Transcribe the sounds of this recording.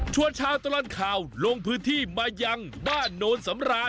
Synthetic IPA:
t͡ɕʰu˧ənt͡ɕʰaː˧wt̪lɔː˧˩t̪̚kʰaː˨˩wlo˧ŋpʰɯː˦˥nt̪ʰiː˥˩maː˧ja˧ŋbaː˥˩oː˧nsa˩˦mɾaː˧

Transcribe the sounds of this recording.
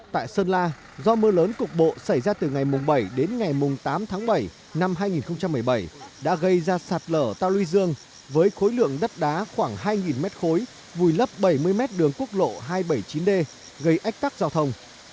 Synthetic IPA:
t̪a̰ː˧˨jsəː˧nlaː˧ | zɔ˧mɨː˧ləː˨˦nkʊ˨˩k͡p̚ɓo̰˧˨sa˧˩jzaː˧t̪ɨ˨˩ŋa˨˩jmʊ˨˩ŋ͡mɓə˧˩jɗe˨˦nŋa˨˩jmʊ˨˩ŋ͡mt̪aː˨˦mt̪ʰaː˨˦ŋɓə˧˩j | na˧mɦaː˧jŋi˨˩nxə˧wŋ͡mt͡ɕa˧mːɨ˨˩əjɓə˧˩jɗa̰ː˧˥ɣə˧jzaː˧saː˨˩t̚ləː˧˩t̪aː˧lwi˧zɨ˧əŋ | vəː˨˦jxo˨˦jlɨ̰˧˨əŋɗə˦˥t̚ɗaː˨˦xwaː˧˩ŋɦaː˧jŋi˨˩nmɛ˦˥t̚xo˨˦j | vu˨˩jlə˦˥p̚ɓə˧˩jmɨ˧əjmɛ˦˥t̚ɗɨ˨˩əŋku˦˥ək̚lo̰˧˨ɦaː˧jɓə˧˩jt͡ɕi˨˦nɗe˧ | ɣə˧jʔa˦˥jk̚t̪a˦˥k̚zaː˧wt̪ʰə˧wŋ͡m

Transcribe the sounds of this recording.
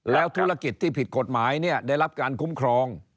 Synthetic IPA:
lɛː˦˥wt̪ʰu˦˥ɾa˧ki˨˩t̪ʰːiː˥˩pʰi˨˩t̪̚ko˨˩t̪̚maː˩˦jni˥˩ɐda˥˩jɾa˦˥p̚kaː˧nkʰu˦˥mkʰɾɔː˧ŋ

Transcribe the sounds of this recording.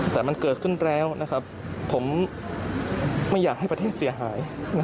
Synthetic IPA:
t̪ɛː˨˩ma˧nkɤː˨˩t̪̚kʰɯ˥˩nɾɛː˦˥wna˦˥kʰa˦˥pʰː | o˩˦m | mːa˥˩jaː˨˩k̚ha˥˩jpɾʰeː˥˩t̪̚si˩˦ɐɦaː˩˦jna˦˥

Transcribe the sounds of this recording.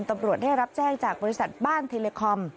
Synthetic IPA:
nt̪a˧mɾu˨˩ət̪̚da˥˩jɾa˦˥p̚t͡ɕɛː˥˩ŋt͡ɕaː˨˩k̚bɔː˧ɾi˦˥sa˨˩t̪̚baː˥˩nt̪ʰeː˧leː˧kʰɔ˧m

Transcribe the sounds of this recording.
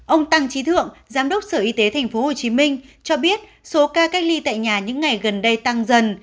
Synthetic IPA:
ʔə˧wŋ͡mt̪a˧ŋt͡ɕi˨˦t̪ʰɨ̰˧˨əŋzaː˨˦mɗə˦˥wk͡p̚səː˧˩ʔi˧t̪e˨˦t̪ʰa˨˩jŋ̟fo˨˦ho˨˩t͡ɕi˨˦mï˧ŋ̟t͡ɕɔ˧ɓi˦˥ət̚ | so˨˦kaː˧ka˦˥k̟̚li˧t̪a̰ː˧˨jɲaː˨˩ɲɨ̰˧˥ŋːa˨˩jɣə˨˩nɗə˧jt̪a˧ŋzə˨˩n

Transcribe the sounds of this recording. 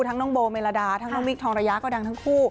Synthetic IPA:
t̪ʰa˦˥ŋnɔ˥˩ŋboː˧me˧la˧daː˧t̪ʰa˦˥nɔ˥˩ŋmi˦˥˩k̚t̪ʰɔː˧ŋɾa˧ja˦˥kɔː˥˩da˧ŋt̪ʰŋkʰuː˥˩

